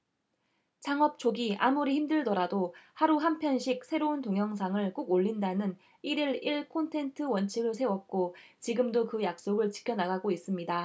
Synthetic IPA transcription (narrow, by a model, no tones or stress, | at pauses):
t͡ɕaŋʌp̚t͡ɕ͈ʰoɡiʔamuɾiçimdɯɭdʌɾadohaɾuɦampʰjʌnɕʰik̚sʰe̞ɾountoŋjʌŋs̬ʰaŋɯɭk͈oɡoʎːindanɯn | iɾiɾiɭkʰontʰe̞ntʰɯwʌnt͡ɕʰiɡɯɭsʰe̞wʌp̚k͈ot͡ɕiɡɯmdokɯjak̚s͈oɡɯɭt͡ɕi̥kʰjʌnaɡaɡois͈ɯmɲida